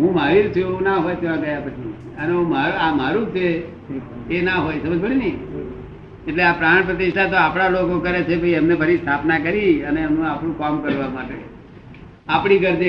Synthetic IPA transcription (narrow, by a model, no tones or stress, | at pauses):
ɦũmaɦiɾt͡ʃʰueũnaɦojt͡ʃʰeʋãɡəjapət͡ʃʰi | əneũmaamaɾũt͡ʃʰeː | naɦojsəməd͡ʒbəɽ̃inəi | eʈleapɾãpɾət̪iʃʈ̪ʰat̪̬oapɽ̃alokokəɾet͡ʃʰebʱəiəmnebʱəɾist̪ʰapnakəɾiəneənũapɽũkamkəɾʋamaʈe | apɽ̃iɡəɾd̪e